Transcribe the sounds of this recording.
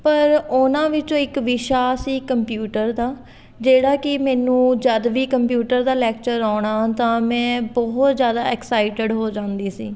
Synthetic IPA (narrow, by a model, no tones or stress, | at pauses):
pəɾʊnãːʋɪt͡ʃõːɪkʋɪʃaːsiːkəmpjuːʈəɾd̪aː | d͡ʒeːɽaːkɪmɛːnũːd͡ʒəd̪ʋiːkəmpjuːʈəɾd̪aːlɛːkt͡ʃəɾaːɽ̃aːt̪ãːmɛ̃ːbɔɦʊt̪zjaːd̪aːɛksaːɪʈɪɖɦoːd͡ʒãːnd̪iːsḭː